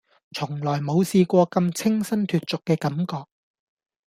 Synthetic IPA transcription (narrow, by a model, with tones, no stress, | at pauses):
t͡ʃʰʊ˨˩ŋlɔː˨˩jmo˨˧wsiː˧kʷɔː˧kɐ˧mt͡sʰɪ˥ŋsɐ˥nt̪ʰyː˨t̚t͡sʊ˨kːɛː˧kɐ˨˥mkɔː˧k̚